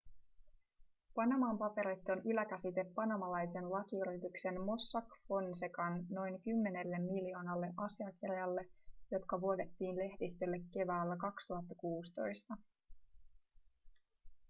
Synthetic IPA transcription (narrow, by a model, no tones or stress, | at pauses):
pɑnɑmɑːmpɑpe̞ɾit̪ːonʔylækæsit̪e̞pːɑnɑmɑlɑjse̞nlɑkiyrit̪ykse̞nmo̞sːɑkfo̞nsekɑnno̞jŋkymːe̞ne̞lːe̞mːilijo̞ːnɑlːe̞ʔɑsiɑkirjɑlːe̞jo̞t̪kɑʋuo̞d̪e̞t̪ːiːnle̞htist̪elːekːe̞ʋæːlːækɑkst̪uɦɑt̪ːɑkuːst̪o̞jst̪ɑ